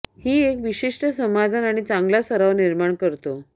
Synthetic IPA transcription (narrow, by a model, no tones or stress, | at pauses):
hiːekʋiɕiʂʈəsəmad̪ʱanaɽ̃it͡sãŋɡlasəɾaʋniɾmaɳkəɾt̪o